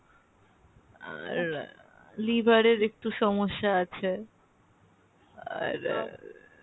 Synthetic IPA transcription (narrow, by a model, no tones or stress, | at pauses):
a̰ɾ | libʱaɾeɾek̚ʈuʃɔmoʃːaat͡ɕʰe | a̰ɾ